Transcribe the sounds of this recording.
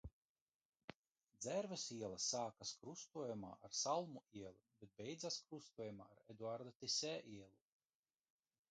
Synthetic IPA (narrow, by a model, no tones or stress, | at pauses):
d̪zɛɾvɛsiɛlˠɐsaːkaskɾust̪uɔjuma̰ːʔaɾsalˠmuiɛlˠibet̪̚bɛjd̪zaskɾust̪uɔjumaːɾed̪uaɾd̪at̪isʲɛʔiɛlˠu